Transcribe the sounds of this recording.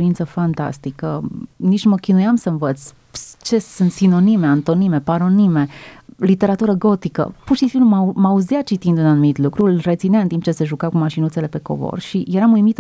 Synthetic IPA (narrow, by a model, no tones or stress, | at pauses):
ɾintsəfant̪a̰st̪ikənit͡ʃməkʲinujamsəɱvət̪sʲ | t͡ʃe̞sunt̪sino̞nime̞ant̪o̞nime̞paɾo̞nime̞lit̪eɾat̪uɾəɡo̞t̪ikə̰purʃisiumamauzijat͡ʃit̪ind̪unanumit̪lukɾulret̪sineaɨnt̪impt͡ʃe̞se̞ʒukakumaʃinutse̞le̞pe̞ko̞̰vo̰rʃijeɾamujmit̪